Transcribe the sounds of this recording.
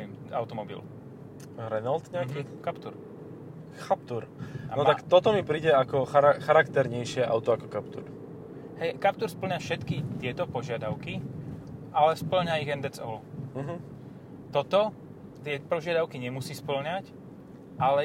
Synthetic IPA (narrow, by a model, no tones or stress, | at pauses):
imaʊt̪ɔmɔbḭl | ɾɛnalt̪ɲɛakikapt̪uɾ | xapt̪uɾanɔt̪akt̪ɔt̪ɔmipɾiːɟɛakɔxaɾaxaɾakt̪ɛɾɲɛjʃɪɛʔa̰ʊt̪ɔakɔkapt̪ṵɾ | hɛjkap̚t̪uɾspl̩ɲafʃɛt̪kit̪ɪɛt̪ɔpɔʒɪad̪aʊki | ʔalɛspl̩ɲaiɣɛnd̪ɛt͡sɔl̩ɦ̩ | t̪ɔt̪ɔ | t̪ɪɛpɔʒɪad̪aʊkiɲɛmusiːspl̩ɲac | ʔalɛ